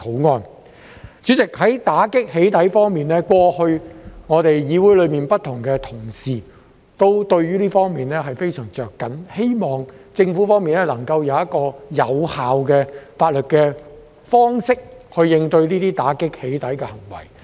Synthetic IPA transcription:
t̪ʰo˨˥wŋɔː˧n | t͡ʃyː˨˥t͡sɪ˨k̚hɐ˨˥jt̪aː˨˥kɪ˥k̚he˨˥jt̪ɐ˨˥jfɔː˥ŋmiː˨nlɛː˥kwɔː˧hɵ˧ɥŋɔː˨˧t̪e˨jjiː˨˧wuː˨˥jlɵ˨˧miː˨npɐ˥t̪̚ʰʊ˨˩ŋkɛː˧t̪ʰʊ˨˩ŋsiː˨ | t̪o˥wt̪ɵ˧ɥɥyː˥liː˥fɔː˥ŋmiː˨˩nlɛː˥ɦɐ˨jfe˥jsœː˨˩ŋt͡ʃœː˨kːɐ˨˥nhe˥jmɔː˨ŋt͡sɪ˧ŋfuː˨˥fɔː˥ŋmiː˨nɛ˥lɐ˨˩ŋkɐ˧wjɐ˨˧wjɐ˥t̚kɔː˧jɐ̰˨˧whaː˨wkɛː˧faː˧t̚lɵ˨t̚kɛ˧ | fɔː˥ŋsɪ˥k̚hɵ˧ɥjɪ˧ŋt̪ɵ˧ɥliː˥t̪iː˥t̪aː˨˥kɪ˥k̚he˨˥jt̪ɐ˨˥jkɛ˧hɐ˨˩ŋwɐ̰˨˩j

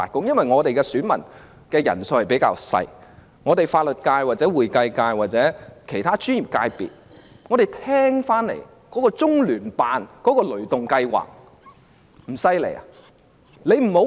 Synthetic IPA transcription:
aː˨˩kʊ˥ŋjɐ˥nwɐ˨jŋɔː˨˧t̪e˨jkɛː˧syː˨˥nmɐ̰˨˩n | kɛː˧jɐ̰˨˩nso˧hɐ˨˩jpe˨˥jka̰ː˧wsɐ̰˧j | ŋɔː˨˧t̪e˨˩jfaː˧t̚lɵ˨t̚kaː˧jwaː˨t̚t͡sɛː˨˥wuː˨jkɐ˧jkaː˧jwaː˨t̚t͡sɛː˨˥kʰe˨˩t̪ʰaː˥t͡ʃy˥njiː˨p̚ka̰ː˧jpḭ˨t̚ | ŋɔː˨˧d̪e˨jt̪ʰɛː˥ŋfaː˥nlḛ˨˩j | kɔː˨˥kɔː˧t͡sʊ˥ŋlyː˨˩npaː˨˧nkɔː˨˥kɔː˧lɵ˨˩t̪ʊ˨ŋkɐ˧jwa̰ː˨k̚ | m̩˨˩sɐ˧jlḛ˨˩ja̰˨ | le˨˧jm̩˨˩ho˨˥

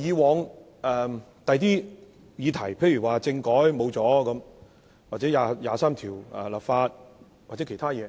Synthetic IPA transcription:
jiː˨˧wɔː˨˧ŋ | ɛː˨ | t̪ɐ˨jt̪iː˥ | jiː˨˧t̪ʰɐ˨˩jpʰe˧jy˨˩waː˨˩t͡sɪ˧ŋkɔː˨˥jmo˨˧wt͡sɔː˨˥kɐ˨˧˥m | waː˨t̚t͡sɛː˨˥jaː˨˧jaː˨˧saː˥mt̪ʰiː˨˩wɛ̰˨la˨pfaː˧t̚ | w̚t͡sɛː˨˥kʰjt̪ʰaː˥jɛː˨˧

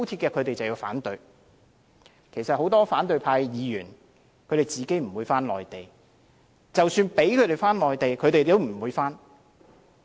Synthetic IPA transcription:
wt̪ʰi˧tkɛː˧kʰɵ˨˧ɥt̪e˨jt͡sɐ˨wji˧wfa̰ː˨˥nt̪ɵ˨˧ɥ | kʰe˨˩sɐ˨t̚ho˨˥wt̪ɔː˥faː˨˥nt̪ɵ˧ɥpʰaː˧jjiː˨˧jyː˨˩n | kʰɵ˨˧t̪e˨˩jt͡siː˨˩ke˨˥jm̩˨˩wuː˨˧jfaː˥nlɔ̰ː˨jt̪e˨j | t͡sɐ˨wsyː˧npe˨˥jkʰɵ˨˧ɥt̪e˨˩jfaː˥nlɔː˨jt̪e˨jkʰɵ˨˧t̪e˨jt̪o˥m̩˨˩wuː˨˧jfaː˥n

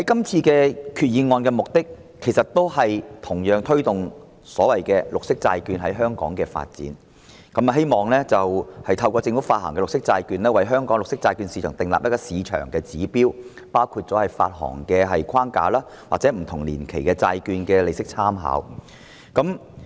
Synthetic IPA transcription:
hɐ˨˦jkɐ˥mt͡sʰiː˧kɛː˧kʰyː˨˧t̚jiː˨˧nŋɔː˧nkɛː˧mʊ˨k̚t̪ɪ˥kʰː | e˨˩jsɐ˨t̚t̪ːo˥whɐ˨jt̪ʰʊ˨˩ŋjœː˨ŋt̪ʰɥt̪ʊ˨ŋ | sɔː˨˥wɐ˨jkɛː˧lʊ˨k̚sɪ˥k̚t͡sa̰ː˧jkyː˧nɦɐ˨˥jɦœː˥ŋkɔ̰ː˨˥ŋkɛː˧fa̰ː˧t̚t͡sḭː˨˥n | kɐ˨˥mɐ˨ɦe˥jmɔː˨ŋlɛː˥t͡sɐ˨whɐ˨jt̪ʰɐ˧wkɔː˧t͡sɪ˧ŋfu˨˥faː˧t̚ɦɐ̰ː˨˩ŋkɛː˧lʊ˨k̚sɪ˥k̚t͡saː˧jkyː˧nlɛː˥wɐ˨˥jɦœː˥ŋkɔː˨˥ŋlʊ˨k̚sɪ˥k̚t͡saː˧jkyː˧nsi˨˧t͡ʃʰœː˨˩ŋt̪ɪ˨ŋla̰ː˨p̚jɐ˥kːɔː˧siː˨˧t͡ʃʰœ̰ː˨˩ŋkɛː˧t͡siː˨˥piː˥w | paː˥wkʰuː˧t̚t͡sɔː˨˥hɐ˨jfa̰ː˧t̚ɦɔ̰ː˨˩ŋkɛː˧ɦɐ˨jkʰaː˥ŋka̰ː˧laː˥ | waː˨t͡sɛː˨˥m̩˨˩t̪ʰʊ˨˩ŋlḭː˨˩nkʰe˨˩jkɛː˧t͡saː˧jkyː˧nkɛː˧le˨jsɪ˥k̚t͡sʰaː˥mɦa̰ː˨˥w | kɐ˨˥m

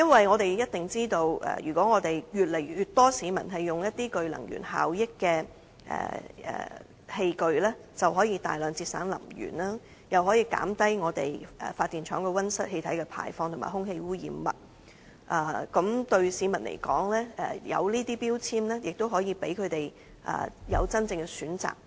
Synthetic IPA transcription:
jɐ˥nwɐ˨jŋɔː˨˧t̪e˨jjɐ˥t̚t̪ɪ˨ŋt͡siː˥t̪o˧wʔɛ̰ː˨jyː˨˩kʷɔː˨˥ŋɔː˨˧t̪e˨jjyː˨t̚le˨˩j̚jyː˨t̪̚ɔː˥siː˨˥mɐ˨˩nɦɐ˨jːʊ˨ŋjɐ˥t̪iː˥kɵ˨ɥlɐ̰˨˩ŋjy̰˨˩nha̰ː˨wjɪ˥kːɛː˧ | ʔɛ̰ː˨˩ʔɛ̰ː˨ | he˧jkɵ˨˧ɥlɛː˥t͡sɐ˨wɦɔː˨˥jiː˧t̪a̰ː˨jlœː˨˧ŋt͡siː˧t̚sa̰ː˨˥nlɐ̰˨˩mjy̰ː˨˩naː˥ | jɐ˨wɦɔː˨˥jiː˧ka̰ː˨˥mt̪ɐ˥jŋɔː˨˧t̪e˨˩jʔːfaː˧t̪̚ːiː˨˩nt͡ʃʰœː˨˥ŋkɛ˧wɐ˥nsɐ˥t̚he˧jt̪ʰɐ˨˥jkɛ˧pʰa̰ː˨˩jfɔː˧ŋt̪ʰʊ˨˩maː˨˩ɦʊ˥ŋhe˧jwuː˥jḭː˨˧mːɐ̰˨t̚ | ʔɐː˨˩kɐ˨˥mt̪ɵ˧ɥsiː˨˥mɐ˨˩nlʔḛ˨˩jkɔː˨˥ŋlɛː˥ʔɛ˨˩jɐ̰˨˧wliː˥t̪iː˥piː˥wt͡sʰiː˥mlɛː˥jɪ˨k̚t̪o˥wɦɔː˨˥jiː˧pe˨˥jkʰɵ˨˧ɥt̪e˨j | ʔɐ̰ː˨˩jɐ̰˨˧wt͡sɐ˥nt͡sɪ˧ŋkɛ˧syː˨˥nt͡sa̰ː˨˩k̚

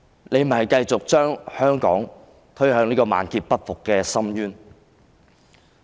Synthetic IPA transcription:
ne˨˧jm̩˨˩hɐ˨jkɐ˧jt͡sʊ˨k̚t͡ʃœː˥ŋhœː˥ŋkɔ̰ː˨˥ŋ | t̪ʰɵ˥ɥhœː˨˧ŋniː˥kɔː˧ma̰ː˨˧nkiː˧t̚pɐ˥t̚fʊ˨kːɛː˧sɐ˥mjyː˥n

